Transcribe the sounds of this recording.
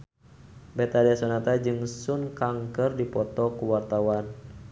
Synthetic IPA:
bɛt̪adiasɔnat̪ad͡ʒɨŋsunkaŋkərdipɔt̪ɔkuwart̪awan

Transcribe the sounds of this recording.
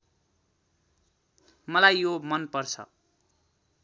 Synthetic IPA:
mʌlajːomʌnpʌrt͡sʰʌ̰

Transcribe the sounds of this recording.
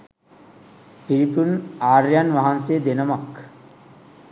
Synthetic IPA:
piɾipunaːɾjanʋaɦansed̪enəmak

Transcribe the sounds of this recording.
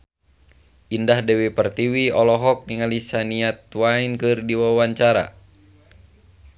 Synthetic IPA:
ʔindahdɛwipərt̪iwiɔlɔɦɔk̚niŋalisaniat̪uwainkɨrdiwawaɲt͡ʃaɾa̰

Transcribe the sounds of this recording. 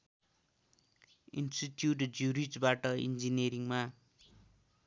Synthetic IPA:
ḭnsʈiʈjuʈd͡zuɾit͡sbaʈʌḭnd͡zineɾiŋma

